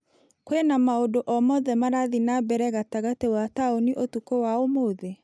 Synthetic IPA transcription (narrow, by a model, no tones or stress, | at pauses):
kwenamaodoʔɔmɔðɛmaɾaðinabɛɾɛɣataɣatewataoniʔotukowaomoðe